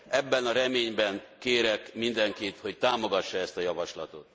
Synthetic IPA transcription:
ʔɛbːɛnɒɾɛmeːɲbɛŋkeːɾɛkmind̪ɛŋkit̪ho̞ct̪aːmo̞ɡɒʃːɒɛst̪ɒjɒvɒʃlɒt̪o̞t̪

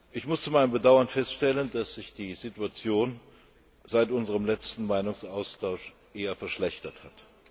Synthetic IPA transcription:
ʔɪçmʊst͡sumaɪnəmbədaʊɐnfɛstʃtɛləndasz̥ɪçd̥iːzituat͡sjoːn | z̥aɪtʔʊnzəʁəmlɛt͡stn̩maɪnʊŋsʔaʊstʰaʊʃ | ʔeːɐfɛɐʃlɛçtɐthat

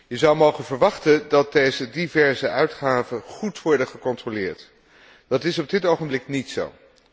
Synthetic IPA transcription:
jəzɑwmowχənvəɹʋɑχtəndɑt̚dejzədivɛɹzəʔœɥtχaːvənχutʋɔɹdəχəkɔntrolɪːɹt | d̥ɑtɪsɔb̚dɪtowχəmblɪknitso̰w

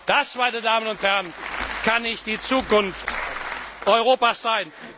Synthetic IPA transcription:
d̥asmaɪnədaːmənʊnthæɐənkʰanɪçt̚d̥iːt͡suːkʊnft | ʔɔʏʁoːpasz̥aɪn

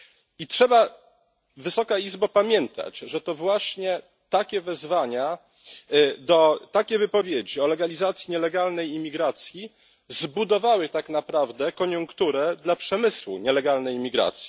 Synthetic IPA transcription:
itʂɛba | vɘsɔkaizbapamʲjɛnt̪a̰d͡ʑʐɛt̪ɔvwaɕɲɛ | t̪akʲɛvɛzvaɲa | d̪ɔt̪akʲɛvɘpɔvʲjed͡ʑiɔlɛɡalʲizat̪sʲjiɲɛlɛɡalnɛjimʲiɡɾat̪sʲji | zbud̪ɔvawɘt̪aknapɾavd̪ɛkɔɲuŋkt̪uɾɛd̪lapʂɛmɘswṵɲɛlɛɡalnɛjmʲiɡɾa̰t̪sʲji

